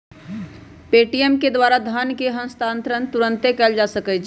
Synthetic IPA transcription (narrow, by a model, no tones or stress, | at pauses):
peːʈijəmked̪waːɾad̪ʱaːnkeɦə̃mst̪ãːnt̪ɾənt̪ʊɾə̃nt̪ekɛld͡ʒaːsəkət͡ʃʰ